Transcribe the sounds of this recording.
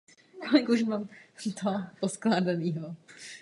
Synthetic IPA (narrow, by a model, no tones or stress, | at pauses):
kolɪkuʒmamt̪oɦposklaːdaniːɦo